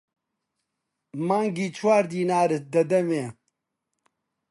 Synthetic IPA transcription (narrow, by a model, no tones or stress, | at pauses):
maːŋɡiːt͡ʃʰwaːɾd̪iːnaːɾɨd̪ɐd̪ɐmeː